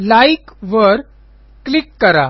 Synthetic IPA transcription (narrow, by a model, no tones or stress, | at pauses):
laikʋəɾ | klikːəɾa